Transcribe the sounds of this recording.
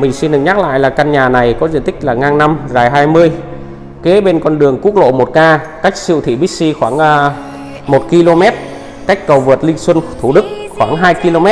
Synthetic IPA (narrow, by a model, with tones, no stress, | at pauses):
mï˨˩ŋ̟si˧nɗɨ˨˩ɲaː˦˥k̚la̰ː˧˨jlaː˨˩ka˧nɲaː˨˩na˨˩jkɔ˨˦zḭ˧˨ənt̪ʰï˦˥k̟̚laː˨˩ŋaː˧ŋna˧mzaː˨˩jɦaː˧jmɨ˧əj | ke˨˦ɓe˧nkɔ˧nɗɨ˨˩əŋku˦˥ək̚lo̰˧˨mo˨˩t̚kaː˧ka˦˥jk̟̚sḭ˧˨wt̪ʰḭ˧˨ɓi˦˥k̚si˧xwaː˧˩ŋʔː | mo˨˩t̚ki˧lo˧mɛ˦˥t̚ | ka˦˥jk̟̚kə˨˩wvɨ˨˩t̚lï˧ŋ̟swə˧nt̪ʰu˧˩ɗɨ˦˥k̚xwaː˧˩ŋɦaː˧jki˧lo˧mɛ˦˥